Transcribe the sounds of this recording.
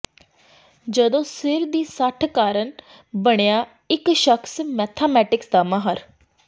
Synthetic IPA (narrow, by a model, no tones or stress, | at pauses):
d͡ʒəd̪õːsɪɾd̪iːsəʈʰkaːɾəɳ | bəɽ̃ejaː | ɪkʃəkʰsmɛːt̪ʰaːmɛːʈɪksd̪aːməɦəɾ